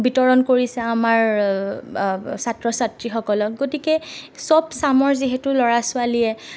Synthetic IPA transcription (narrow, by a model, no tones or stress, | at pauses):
bitɔɹɔnkoɹisɛamaɹ | satɹɔsatɹixɔkɔlɔk̚ɡotikɛsɔbsamɔɹziɦɛtʊlɔɹasʊaliɛ